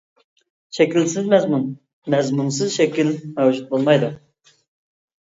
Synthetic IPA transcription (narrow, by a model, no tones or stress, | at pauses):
ʃɛkʲilsɪzmɛzmun | mɛzmunsɨzʃɛkʲilmɛwd͡ʒut̪̚bolˠmɑjd̪u